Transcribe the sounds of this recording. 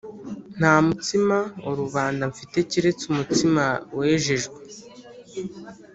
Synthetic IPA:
n̥haːmutimaoɾuβaːndaɱfite̞ciɾe̞t͡sumutimawe̞ːʒeʒɡwe

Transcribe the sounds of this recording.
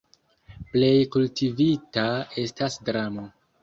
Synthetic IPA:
ple̞jkultivitae̞stasdɾamo

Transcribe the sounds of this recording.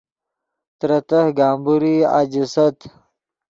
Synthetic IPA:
t̪ɾɐt̪ɐhɡaːmbuɾia̰d͡ʑisɐt̪

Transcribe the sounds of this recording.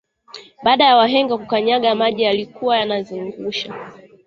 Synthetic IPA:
ɓaːɗajawaɦɛŋɡakukaɲaɠamaʄijalikuwajanaziŋɡuʃa

